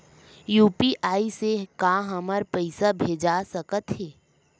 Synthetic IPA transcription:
juːpiʔaːisekaɦəməɾpəɪsabʱeːd͡ʒasəkət̪ɦɛː

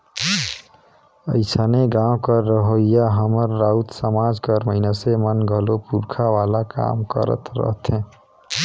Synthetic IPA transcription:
ə̰ɪsaneɡãw̃kəɾːəɦojjaɦəməɾːaut̪səmad͡zkəɾməɪnasemənɡʱəlopuɾkʰawalaka̰mkə̰ɾə̰t̪ɾə̰ɦt̪ʰẽ

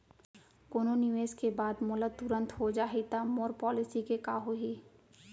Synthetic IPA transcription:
koːnonɪʋeːskebaːd̪moːlət̪ʊɾə̃nt̪ɦod͡ʒaːɦit̪amoːɾpɔːlɪsikekaːɦoɦiː

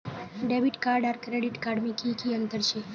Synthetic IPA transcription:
ɖebiʈkaɖaɾkɾeɖiʈkaɖmikʰikʰiənt̪əɾt͡ʃʰe

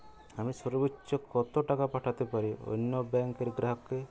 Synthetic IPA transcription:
amisɔɾɔbit͡ʃɔkɔt̪oʈakapaʈʰat̪epaɾio̰nːɔbaŋkeɾɡɾaɦɔkːe

